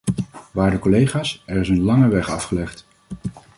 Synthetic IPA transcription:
ʋaːɹdəkolejχaːsɛɹɪsənlɑŋəʋɛχɑfχəlɛχt

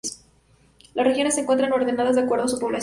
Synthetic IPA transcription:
s | lasrexjo̞nesːeŋkwe̞nt̪ɾano̞ɾðe̞naðazðeakwe̞ɾðosupo̞βlas

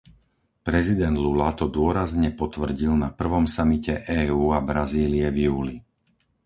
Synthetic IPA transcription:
pɾɛzid̪ɛnd̪lulat̪ɔd̪ʊɔɾazɲɛpɔt̪ʋr̩ɟilnapr̩ʋɔmsamicɛʔɛːuːabɾaziːliɛvjuːli

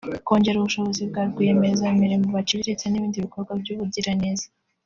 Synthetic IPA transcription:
ko̞ːɲɟe̞ɾuβuʃo̞βozibɡaːɾɡwiemezameɾemuβat͡ʃiβiɾet͡saniβiːndiβiko̞ɾɡwabɟuːβudiɾaneːza

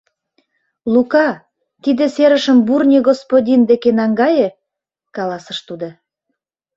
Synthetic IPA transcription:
lukɑ | t̪id̪ĕseɾəʃəmburnʲeɣospodʲind̪ekenɑŋɡɑje | kɑlɑsə̆ʃt̪ud̪ŏ

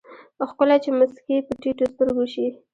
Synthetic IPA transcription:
pəxkəlat͡ʃemaskepəʈiʈost̪əɾɡoʃi

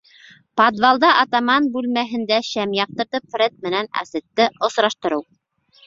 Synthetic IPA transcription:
pɑd̪vɑlˠd̪ɑʔɑt̪ɑmɑnbʉlmæɦɘ̆nd̪æɕæmjɑq̚t̪ɤ̆ɾt̪ɤpfɾʲet̪̚mɘ̆nænæ̰sɘ̆t̪ːɘŏsɾɑʃt̪ɤ̆ɾɤw

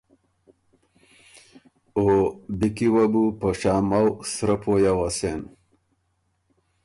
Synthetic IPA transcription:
obikiwabupəʂaːmawsɾəpʰojawasen

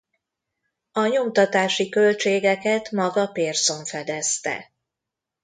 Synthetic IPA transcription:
ɒɲo̞mt̪ɒt̪aːʃikø̞lt͡ʃeːɡɛkɛt̪mɒɡɒpeːrso̞ɱfɛd̪ɛst̪ɛ̰

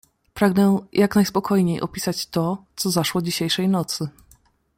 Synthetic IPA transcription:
pɾaɡnɛjʔaknajspɔkʰɔjɲejʔɔ̰pʲisat͡ɕt̪ɔt̪sɔzaʂwɔd͡ʑiɕejʂɛjnɔt̪sɘ

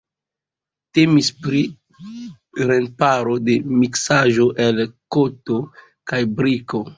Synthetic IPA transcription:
te̞mispɾi | ɾenpaɾo̞de̞miksaʒo̞ʔelkoto | kajbɾiko̞

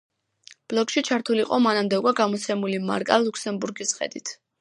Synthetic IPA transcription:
b̥lɔkʃit͡ʃʰaɾt̪ʰuliqʼɔmanamd̪ɛukʼwaɡamɔt̪sʰɛmulima̰ɾkʼalˠukʰsɛmbuɾɡisχɛ̰d̪wit̪ʰ

